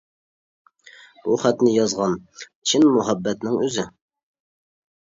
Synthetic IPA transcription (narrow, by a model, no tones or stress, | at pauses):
b̥uχæt̪nɪjɑzʁɑnt͡ʃʰɪnmʊɦæbːɛt̪nɪŋøzɪ